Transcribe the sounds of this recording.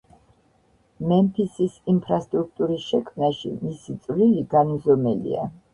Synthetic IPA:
mɛmpʰisisimpʰɾast̪ʼɾuk̚ʰt̪ʼuɾisʃɛkʰmnaʃḭmisit̪sʼvliliɡanzɔmɛlḭa̰

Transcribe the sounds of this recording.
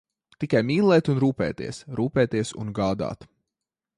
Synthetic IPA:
t̪ikajmʲiːlˠɛːt̪unɾuːpɛ̰ːt̪ḭɛsɾuːpɛːt̪iɛsṵnɡaːd̪a̰ːt̪

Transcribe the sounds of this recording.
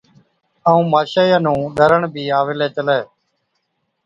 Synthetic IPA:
aːũːmaːʃaːjãːnũːɗʱəɾəɳbʱiːaːʋɪleːt͡ʃəleː

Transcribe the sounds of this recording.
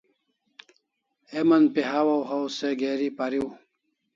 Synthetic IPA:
emɐnpiɦawɐwɦɐwseɡeːɾipɐɾiw

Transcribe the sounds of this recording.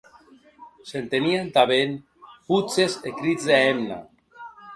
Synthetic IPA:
sent̪eniant̪aβen | put͡sezekɾid͡zðeemna̰

